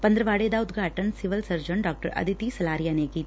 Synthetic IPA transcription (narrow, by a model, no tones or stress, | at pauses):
pɐnd̪ɾəʋaːɽeːd̪aːʊd̪ɡʱaːʈənsɪʋəlsɐɾd͡ʒəɳɖaːk̚ʈə̰ɾɐ̰d̪ʱit̪isɐlaːɾjanekiː